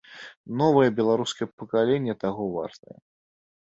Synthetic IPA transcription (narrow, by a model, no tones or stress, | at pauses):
nɔvɐjɛbʲɛlˠaɾuskɐjɛpəkalʲenʲːɛt̪aɣɔva̰rt̪ə̰jɛ̰